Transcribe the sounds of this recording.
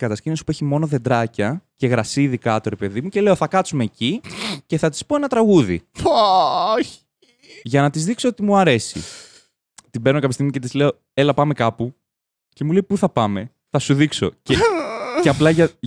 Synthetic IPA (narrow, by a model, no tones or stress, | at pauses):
kɐt̪ɐscinosi̥pueçimo̞no̞ðe̞d̪ɾɐcɐce̞ɣɾɐsiðikɐt̪o̞ɾe̞pe̞ðimuce̞le̞o̞θɐkɐt͡sume̞ːcice̞θɐt̪ispoenɐt̪ɾɐɣuðḭoçi | ʝɐnɐt̪izðikso̞ot̪imuɐɾe̞sḭ | t̪ibe̞no̞kɐpist̪iɣmice̞t̪izle̞o̞ | e̞lɐpɐme̞kɐpu | ce̞mulejpuθɐpɐme̞ | θɐsuðikso̞̰ceceɐplɐʝɐ